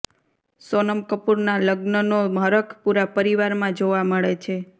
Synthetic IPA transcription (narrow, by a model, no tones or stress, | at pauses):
sonəmkəpuɾnaləɡnənomɦəɾəkʰpuɾapəɾiʋaɾmãd͡ʒoʋaməɭet͡ʃʰe